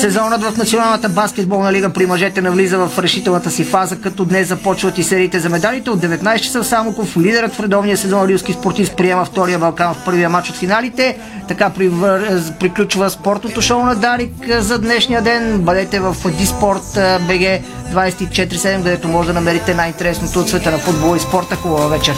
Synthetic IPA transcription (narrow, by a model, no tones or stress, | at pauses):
sɛzɔnət̪vɐfnɐt̪sionalˠnət̪əbaskʲɛd̪̚bɔlˠnɐliɡəpɾimɐʒɛt̪ɛnɐvlizəvɐfɾɛʃit̪ɛlˠnət̪əsifazəkɐt̪ɔd̪nɛsɐpɔt͡ʃvət̪isɛɾiːt̪ɛzɐmɛd̪alit̪ɛod̪ɛvɛt̪najst̪t͡ʃɐ̥səfsamokoflid̪ɛɾət̪fɾɛd̪ɔvnijəsɛzɔnɾiwskispoɾt̪ispɾiɛməft̪ɔɾijəbɐlˠkanfpɤɾvijəmat͡ʃot̪finalit̪ɛ | t̪ɐkapɾivəpɾiklʲut͡ʃvəspɔɾt̪not̪oʃonɐd̪aɾikzɐd̪nɛʃnijəd̪ɛnbɐd̪ɛt̪ɛvɐfd̪ispɔɾt̪bɛɡɛ | d̪vajsɛ̥t̪it͡ʃɛt̪ɾisɛd̪ɛmkɐd̪ɛt̪omɔʒɛd̪ɐnɐmɛɾit̪ɛnajint̪ɛɾɛsnot̪oːt̪svɛt̪ənɐfud̪̚bolˠəispɔɾt̪əxubəvəvɛt͡ʃɛ